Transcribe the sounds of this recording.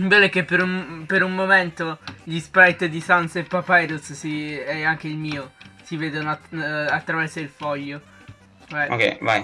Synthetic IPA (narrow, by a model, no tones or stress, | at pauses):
bɛlɛk̟epːeɾumpeɾummoment̪oʎispɾajt̪d̪isansepːapajd̪ussiɛaŋk̟eilmiːosiveːd̪onoaat̪ːɾavɛrsoilfɔʎːo | ɛʔo̰kɛ̰jva̰j